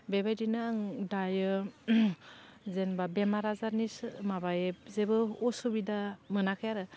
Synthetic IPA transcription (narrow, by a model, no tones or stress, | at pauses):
bebajdinɯːŋdajɯ | zenbabemaɾazaɾnismabajep̚zebɯɔsubidamɯnakʰɯjaɾɯ